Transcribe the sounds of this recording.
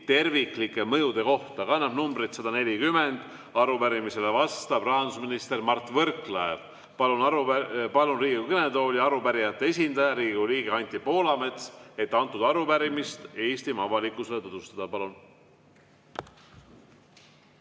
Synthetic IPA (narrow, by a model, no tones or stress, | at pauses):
t̪e̞rviklikːˑe̞mɤjud̪̥e̞ko̞ht̪ɑkɑnːɑb̥numbɾit̪sɑd̪̥ɑne̞lʲikyme̞nd̪ | ɑɾupæɾimisele̞vɑst̪ɑb̥rɑɑnd̪u̥sminist̪e̞ɾmɑrt̪ːˑvɤ̞rklɑev | pɑlunɑɾpɑlunriːɡukɤned̪o̞ːlʲiɑɾupæɾijɑt̪ːˑeesʲind̪̥ɑjɑɾiːɡiuliːɡ̥eɑnʲt̪ʲipo̞ːlɑme̞t̪se̞t̪ːɑnt̪ːˑud̪ɑɾupæɾimist̪e̞ːst̪imɑvɑlikːˑuse̞let̪od̪ust̪ɑd̪̥ɑpɑlun